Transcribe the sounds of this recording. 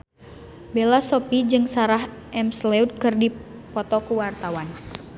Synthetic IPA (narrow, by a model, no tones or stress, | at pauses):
belasɔpid͡ʒɨŋsaɾaɦʔɛmslɛud̪̚kɨrdipɔt̪ɔkuwart̪awan